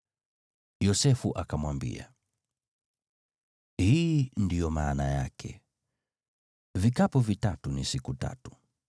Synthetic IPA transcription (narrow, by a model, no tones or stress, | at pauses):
jɔsɛfuʔakamwambḭa̰ | hiːndijɔmaːnaja̰kʰɛ̰ | vikapɔvitatunisikuta̰tu̥